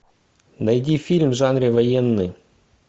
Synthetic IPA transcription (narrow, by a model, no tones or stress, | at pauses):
nɐjdʲifʲilʲmʐanɾʲɪvɐjenːɨ